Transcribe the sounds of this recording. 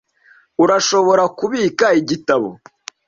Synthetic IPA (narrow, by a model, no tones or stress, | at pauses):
uɾaʃo̞βo̞ɾakuβiːkaiɟitaβo̰